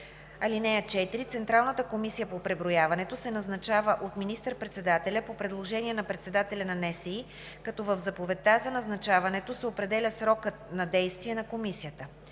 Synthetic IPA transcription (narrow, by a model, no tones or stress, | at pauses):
ɐlinɛjət͡ʃɛt̪iɾit̪sɛnt̪ɾalˠnət̪əkomisijəpopɾɛbɾojavɐnɛt̪osɛnɐznɐt͡ʃavəʔot̪minist̪əɾpɾɛt̪sɛd̪at̪ɛlʲəpopɾɛd̪lˠoʒɛniɛnɐpɾɛt̪sɛd̪at̪ɛlʲɐnɐnɛsɛi | kɐt̪ɔvəvzɐpovɛt̪azɐnɐznɐt͡ʃavɐnɛt̪osɛopɾɛd̪ɛlʲəsɾɔkət̪nɐd̪ɛjst̪viɛnɐkomisijət̪ə